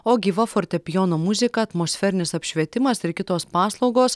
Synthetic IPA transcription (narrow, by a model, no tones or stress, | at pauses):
oːɡʲiːʋɐfoːɾʲt̪ʲɛpʲɪjoːnoːmʊzʲɪkɐɐt̪moːsʲfʲɛɾʲɪnʲɪsɐpʲʃʲʋʲiɛt̪ʲɪmɐsɪɾkʲɪt̪oːspɑːslˠɒʊɡoːs